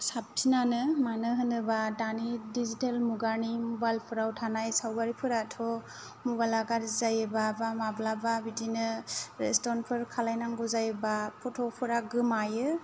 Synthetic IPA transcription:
sab̚tʰinanɯmanɯɦɯnɯbadanidizitalmuɡaɾnimɔbajlpʰɯɾawtʰanajsawbaɾipʰɯɾatʰɔ | mɔbajlaɡaɾzajɯbabamablababidinɯɾestɔnpʰɯɾkʰalajnaŋɡɔzajɯbapʰɔtʰɔpʰɯɾaɡɯmajɯ

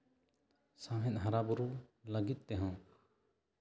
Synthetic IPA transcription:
sãɦɛt̪̚ˀɦaɾabuɾuləɡit̪̚t̪ɛɦɔ̃

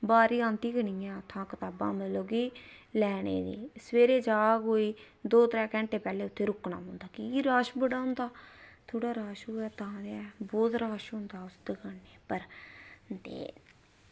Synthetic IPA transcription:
baːɾiːãːnt̪iːɡəɳiːãːt̪ʰãːkət̪aːbã̰ːmɪlloːɡiː | lɛːɽḛːd̪ḭːsʋeːɾeːd͡ʒaːɡoːiː | d̪oːt̪ɾɛ̃ːkɛ̃ːɳʈeːpɛːleːʊt̪ʰːeːɾʊkna̰ːmõnd̪aːkiiɾaːʃbəɽaːɦʊnd̪aːt̪ʰoːɽaːɾaːʃoːɛːt̪ãːd̪eɛːbɔːt̪ɾaːʃɦʊnd̪aːʊsd̪əɡanːeːpəɾ | d̪ḛː

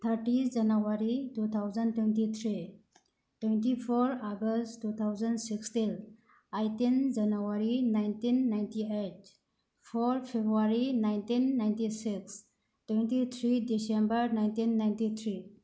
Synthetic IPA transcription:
t̪ʰəɾʈinʰd͡ʒənəʋaɾitut̪ʰawzəntwenʈit̪ʰɾi | ʈwẽnʈifʰoɾaɡəstːut̪ʰawzənɖsikstel | ajtind͡ʒənəʋaɾinajntinːajntieʈ | fʰoɾpʰebɾuaɾinajntinːajntisiks | ʈwẽntit̪ʰɾidisẽmbəɾnajntinːajntit̪ʰɾi

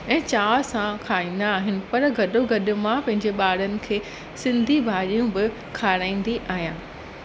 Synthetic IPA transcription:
ɛ̃ːt͡ɕaːsãkʰaːĩːnd̪aːɦɪnɪ̆pɐɾɡɐɗoɡɐɗʊ̆mãpɐ̃ɦɪ̃ɲd͡ʑeɓaːɽ̤ənɪ̆kʰeː | sɪ̃nd̪ʱibʱaːɾijũbɪ | kʰaːɾãːĩːn̆d̪iʔaːɦijãː

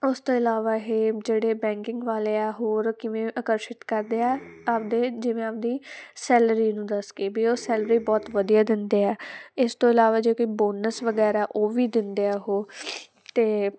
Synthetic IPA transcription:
ʊst̪oːɪlaːʋaːɦeːd͡ʒeːɽeːbɛ̃ːŋkɪ̃ŋɡʋaːleːɛːɦoːɾkɪʋẽːʔəkəɾʃɪt̪kəɾd̪eːɛːap̚d̪eːd͡ʒɪʋẽːaːp̚d̪iːsɛːləɾiːnũːd̪əskeːbiːoːsɛːlɾiːbɔːt̪ʋəd̪ijaːd̪ɪnd̪eːɛːɪst̪õːɪlaːʋaːd͡ʒeːkoiːboːnəsʋəɡɛːɾaːʔoːʋiːd̪ɪnd̪eɛːɦoː | t̪eː

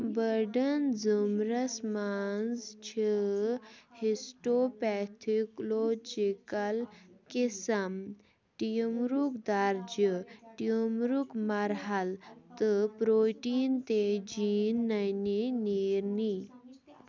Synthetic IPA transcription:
bəɾɖənd͡zumɾɐsmanzt͡ʃʰə | hisʈopɛt̪ʰiklod͡ʒikalkisɐm | ʈijəmɾukd̪aɾd͡ʒəʈiəmɾukmaɾɦalt̪əpɾoʈiːnt̪ed͡ʒiːnːajniniɾni

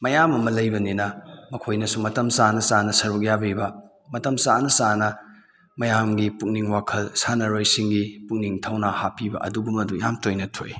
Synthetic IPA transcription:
mɐjamɐmɐlɐjbɐninɐmɐkʰojnɐsumɐtɐmsanɐsanɐsɐɾuk̬̚jabibɐ | mɐtɐmsanɐsanɐ | mɐjamɡipuk̚niŋwakʰɐlsanɐɾojsiŋɡipuk̚niŋtʰɐwnahapibɐ̰ʔɐ̰duɡumɐdujamtojnɐtʰo̰j

